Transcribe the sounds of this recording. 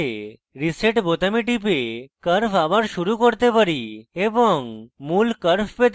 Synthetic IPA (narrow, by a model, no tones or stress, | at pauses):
e | ɾiseʈbot̪amiʈip̬ekəɾfʰabaɾʃuɾukoɾt̪epaɾieboŋmulkəɾfʰpet̪